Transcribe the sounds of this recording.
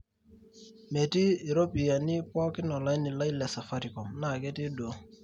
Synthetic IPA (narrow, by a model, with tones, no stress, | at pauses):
me˨tiː˦˨ɾo˦pi˨a˨ni˦pɔ˦kɪ˦nɔ˨la˦jni˨la˦jlɛ˨sa˨fa˦ɾi˨kɔ˨mna˨kɛ˦ti˦do˨